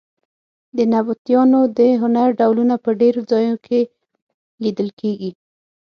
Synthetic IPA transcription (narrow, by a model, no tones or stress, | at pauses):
d̪ənabut̪jɑnod̪əɦʊnaɾɖawlunapəɖeɾod͡zɑjnokʰe | lid̪əlkʰeɡi